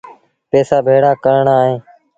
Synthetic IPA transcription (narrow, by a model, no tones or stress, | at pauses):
peːsaːbʱeːɽaːkəɾɳaːɦẽː